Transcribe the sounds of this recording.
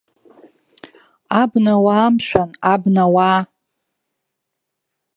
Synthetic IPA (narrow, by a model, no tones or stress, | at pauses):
abnawaːmʃʷᶣanabnawaː